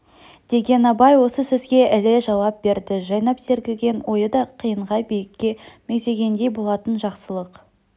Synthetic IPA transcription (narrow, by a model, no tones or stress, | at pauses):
d̪̥e̞ɡʲe̞nɑbɑjwo̞səsɵzɡʲe̞ʔɪlɪʒɑwɑp̚be̞ɾd̪ɪʒɑjnɑpse̞ɾɡʲɪlɡʲe̞nwʔo̞jəd̪ɑqʰijəɴʁɑjbijɪkʲːe̞mekze̞ɡʲe̞nd̪e̞jbo̞lˠɑt̪ənʒɑqsəlˠəq